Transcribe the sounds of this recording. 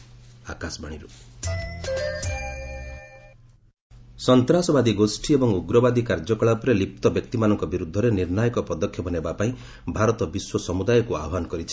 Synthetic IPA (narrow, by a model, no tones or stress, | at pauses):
a̰kasbʱaɽ̃iɾu | sɔnt̪ɾasɔbad̪iɡosʈʰiebɔŋuɡɾɔbad̪ikaɾd͡ʒɔkɔɭapɾelip̚t̪ɔbjɔk̚t̪imanɔŋkɔbiɾud̪ʱːɔɾeniɾnajɔkɔpɔd̪ɔkʰːjɔbɔnebapaĩ | bʱaɾɔt̪ɔbiswɔsɔmud̪ajɔkua̰ɔɦanɔkɔɾit͡ʃʰi̥